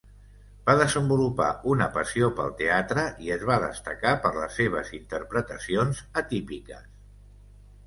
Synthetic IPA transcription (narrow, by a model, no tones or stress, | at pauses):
baðəzəmbulupa̰ʔunəpəsiopə̰lˠt̪eat̪ɾəʔiəzβaðə̰st̪əkapəɾləsːeβ̞ə̰zint̪əɾpɾət̪əsionzət̪ipikəs